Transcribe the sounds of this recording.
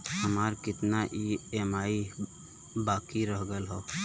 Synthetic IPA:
həmaːɾkɪt̪naʔieːmaːi | baːkiɾəɦɡəlɦɔ

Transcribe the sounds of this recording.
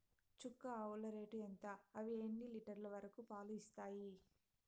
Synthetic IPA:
t͡ʃukːɐɐwlɐɾeːʈuent̪aːɐʋieːɳːiliʈɐɾlɐʋɐɾɐkupaːluist̪aːji

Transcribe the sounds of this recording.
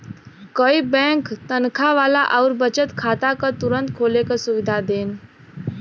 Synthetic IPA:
kəibɛ̃ŋkt̪ənkʰaʋaːlaʔəʊɾbət͡ʃət̪kʰaːt̪akət̪uɾə̃nt̪kʰoːlekəsʊʋɪd̪ʱad̪eːn

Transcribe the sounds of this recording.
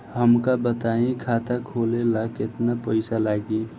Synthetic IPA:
ɦəmkabət̪aĩkʰaːt̪akʰoːlelakɪt̪napəɪsalaːɡi

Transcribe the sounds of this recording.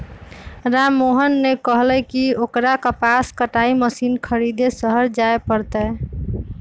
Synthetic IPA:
ɾamːoɦənːekəɦlɛkiokɾakəpaskəʈaiməsinkʰəɾid̪esəɦəɾd͡ʒaepəɾt̪ə

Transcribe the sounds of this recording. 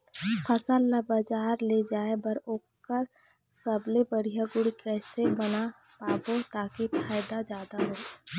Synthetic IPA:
pʰɐsalabəd͡ʒaːɾled͡ʒaːebɐɾoːkkəɾ | səblebəɽijaɡʊɽikɛːsebɐna | paːbot̪aːkipʰaːɪd̪ad͡ʒjaːd̪aɦoː

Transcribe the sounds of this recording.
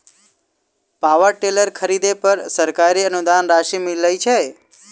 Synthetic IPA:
paʋəɾʈeləɾkʰəɾid̪epəɾsəɾkaɾiənud̪anɾaʃimiləjt͡ʃʰe

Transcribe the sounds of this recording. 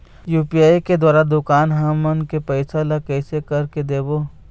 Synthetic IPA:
juːpiaːjked̪waːɾad̪ʊkaːnɦamɐnkepɛɪsalakɛːsekɐɾked̪eːbo

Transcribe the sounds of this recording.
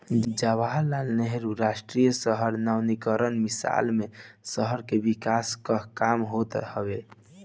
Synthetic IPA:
d͡ʒabaɦlalneɦeɾuɾasʈɾijəsəɦəɾnawnikəɾənmisa̰lmesəɦəɾkebikaskəkamɦot̪həbe

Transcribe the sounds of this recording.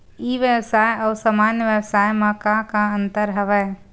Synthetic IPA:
iːʋjəsaːjɔːsəmaːnjəʋjəwsaːjmãkãkãə̃nt̪əɾɦɐʋɛ

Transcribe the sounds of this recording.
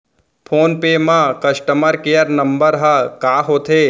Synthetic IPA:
pʰoːnpeːmãkɐʃʈəməɾkeːjəɾnɐmbəɾɦɐkaːɦoːt̪ʰeː

